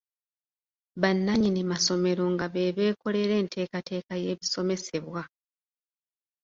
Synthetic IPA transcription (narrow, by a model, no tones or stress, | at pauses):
βanːaɲinimaso̞me̞ɾo̞ŋɡaβe̞βe̞ːko̞le̞ɾe̞ːntʰe̞ːkate̞ːkaje̞ːβiso̞me̞se̞βwa